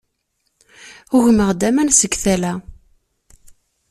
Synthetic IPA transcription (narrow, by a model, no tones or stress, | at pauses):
ʊʝməʁd̪æmænsəɡθælæ